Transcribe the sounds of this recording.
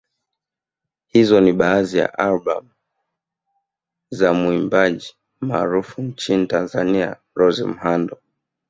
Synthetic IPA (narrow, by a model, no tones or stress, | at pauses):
hizɔniɓaːzija̰ʔalba̰m | zamuimbaʄi | maːɾufuɲt͡ʃinitanzania̰ | ɾɔzɛ̰m̩handɔ